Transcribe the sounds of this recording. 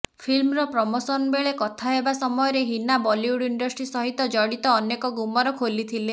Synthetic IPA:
pʰilmɾɔpɾɔmosɔnbeɭekɔt̪ʰaɦebasɔmɔjɔɾeɦinabɔljuɽiɳɖɔsʈɾisɔɦit̪ɔd͡ʒɔɽit̪ɔːnjekɔɡumɔɾɔkʰolit̪ʰile

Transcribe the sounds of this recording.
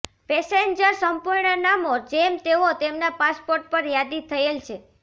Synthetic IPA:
pɛseɲd͡ʒəɾsəmpuɾɳənamod͡ʒemt̪eot̪emnapaspoɾʈ̚pəɾjad̪it̪ʰəelt͡ʃʰe

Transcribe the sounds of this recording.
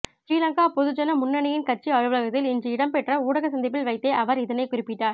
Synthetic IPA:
t͡ʃiːlɐŋkaːpɔðɯd͡ʒɐnɐmʊnːɐɳɐjɪnkɐʈ̚t͡ʃiɐɻɯʋɯlɐɣɐt̪ːɪlɪnd͡ʒɯɪɽɐmpɛʈrɐuːɽɐɣɐsɐnd̪ɪp̬ːɪlʋɐɪt̪ːeːʔɐʋɐɾɪðɐnɐɪkʊrɪpːɪʈːaːɾ

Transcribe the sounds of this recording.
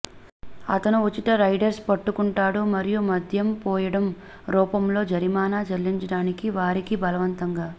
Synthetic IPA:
ɐ̰t̪ɐnuʋot͡ʃːit̪ɐɾɐjɖɐɾspɐʈːukuɳʈaːɽumɐɾijumɐd̪ʱjɐmpɔːjɐɽɐm | ɾɔːpɐmlo̞ːd͡ʒɐɾimaːnaːt͡ʃɐlːiɲt͡ʃɐɽaːnikiʋaːɾikibɐlɐʋɐnt̪ɐŋɡaː

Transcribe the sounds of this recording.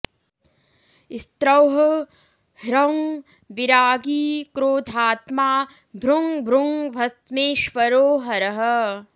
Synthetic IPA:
ist̪ɾɐwɦ | hɾɐwŋ | ʋiɾaːɡiːkɾoːd̪ʱaːt̪maː | bʱɾuŋbʱɾuŋʋʱɐst̪meːʃʋɐɾoːɦɐɾɐɦɐ

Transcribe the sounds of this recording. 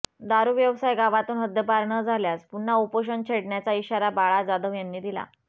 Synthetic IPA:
d̪aɾuːʋjəʋsajɡaʋat̪uːnɦəd̪jəpaɾɳəd͡zʱaljaspuɳːaupəɕ̬əɳt͡ɕʰeɽɳjat͡saiɕaɾabaɭad͡zad̪əʋjanːiːd̪ila̰

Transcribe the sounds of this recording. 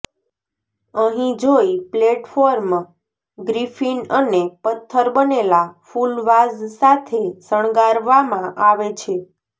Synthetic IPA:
əɦĩd͡ʒoipleʈfoɾm | ɡɾifinənepət̪ʰːəɾbənelafulʋazsat̪ʰesəɳ̃ɡaɾʋamãʔaʋet͡ʃʰe

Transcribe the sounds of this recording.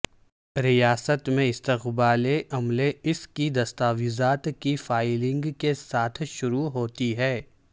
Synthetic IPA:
ɾijaːsət̪mẽɪst̪ɪqbaːleʔɐmleɪskid̪ɐst̪aːʋizaːt̪kifaːɪlɪ̃ŋɡkesaːt̪ʰʃʊɾuɦoːt̪iɦɛː

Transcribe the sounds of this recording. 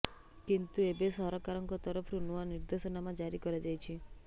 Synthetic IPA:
kint̪uebesɔɦɾɔkaɾɔŋkɔt̪ɔɾɔpʰɾunuaniɾd̪osɔnamãd͡ʒaɾikɔɾed͡ʒajt͡ʃʰi

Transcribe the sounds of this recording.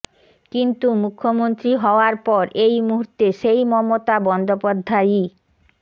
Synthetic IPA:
kint̪umukʰːomont̪ɾiɦɔoaɾpɔɾʔejmuɦuɾt̪eʃejmɔmot̪abɔnd̪opad̪ʱːaji

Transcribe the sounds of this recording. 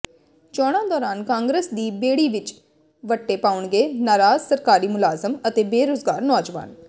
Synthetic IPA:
t͡ʃɔːɽ̃ãːd̪ɔːɾaːnkãːŋɡɾəsd̪iːbeːɽiːʋɪt͡ʃ | ʋəʈːeːpaːʊɳɡeːnaːɾaːzsəɾkaːɾiːmʊlaːzəmət̪eːbeːɾoːzɡaːɾnɔːd͡ʒʋa̰ːn

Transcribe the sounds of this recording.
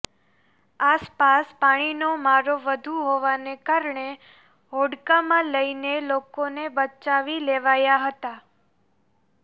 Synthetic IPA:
aspaspaɽ̃inomaɾoʋəd̪ʱuɦoʋanekaɾɳe | ɦoɽkamãləinelokonebət͡ʃaʋileʋajaɦət̪a

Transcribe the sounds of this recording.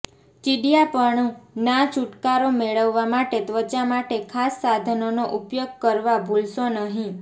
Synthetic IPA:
t͡ʃiɖijapəɳnat͡ʃuʈkaɾomeɭəʋːamaʈet̪ʋət͡ʃamaʈekʰasːad̪ʱənonoʔupjoɡ̚kəɾʋabʱulʃonəɦĩ

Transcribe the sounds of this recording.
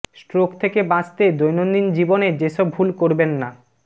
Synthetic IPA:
sʈɾokt̪ʰekebãt͡ɕt̪ed̪ojnond̪ind͡ʑiboned͡ʑeʃɔbʱulkoɾbenːa

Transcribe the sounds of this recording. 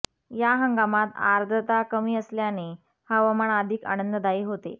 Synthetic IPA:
jaɦəŋɡamat̪a̰ɾd̪ʱət̪akəmiːəsljane | həʋəməɳad̪ʱiːka̰nənd̪əd̪aiːɦot̪ḛ

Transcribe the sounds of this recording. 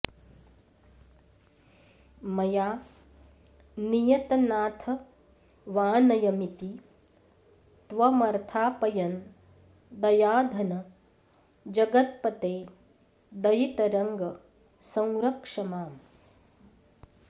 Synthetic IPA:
mɐjaː | nijɐt̪ɐnaːt̪ʰɐ | ʋaːnɐjɐmit̪i | t̪ʋɐmɐɾt̪ʰaːpɐjɐn | d̪ɐjaːd̪ʱɐnɐ | d͡ʒɐɡɐt̪̚pɐt̪eː | d̪ɐjit̪ɐɾɐŋɡɐ | sɐ̃wɾɐkʂɐmaːm

